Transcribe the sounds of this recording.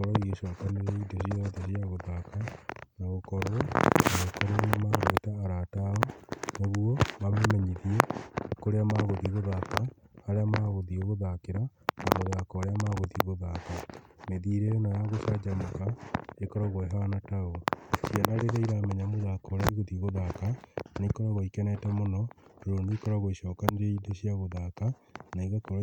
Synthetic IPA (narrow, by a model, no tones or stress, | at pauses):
oɾoiɣeʃɔakaneɾɛidesiɔðɛsiaɣoðakanaɣokɔɾonaɣokɔɾonamaɣetaːɾataɔnoβuoβamemɛɲiðiɛkoɾeamaɣoðiɣoðakaːɾeamaːɣoðioɣoðakeɾanamoðakɔaɾeamaɣoðiɣoðakameðiɾeonajaɣosad͡ʒamakaekɔɾaɣoeɦanataosianaɾeɾaiɾamɛɲamoðakɔoɾaiɣoðiɣoðakanekɔɾaɣoikɛnatɛmonɔoɾoːndoikɔɾaɣoiʃɔːkaneɾeideɕiaɣoðaka | naiɣakoɾ